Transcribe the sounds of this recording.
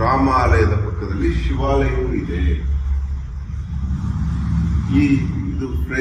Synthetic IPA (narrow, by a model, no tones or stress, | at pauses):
ɾaːmaːlɐjɐd̪ɐpɐkːɐd̪ɐlːiʃiʋaːlɐjuːid̪e | iːid̪upɾe